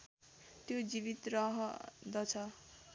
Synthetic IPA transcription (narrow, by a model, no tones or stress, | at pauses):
t̪jod͡ziβit̪rʌɦʌd̪ʌt͡sʰʌ